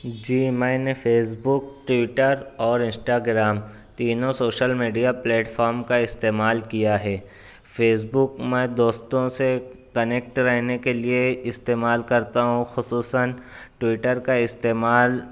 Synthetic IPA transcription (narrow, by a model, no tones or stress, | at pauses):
d͡ʒiːmɛ̃ːnefeːsbʊkʈwɪʈəɾɔːɾɪ̃nsʈaːɡɾaːm | t̪iːnõsoːʃəlmiːɖijaplɛːʈfɔːɾmkaɪst̪eːmaːlkijaɦɛː | feːsbʊkmɛ̃ːd̪oːst̪õsekɐneːk̚ʈɾɛɦnekelieɪst̪eːmaːlkɐɾt̪aɦũxʊsuːsən | ʈwɪʈəɾkaɪst̪eːmaːl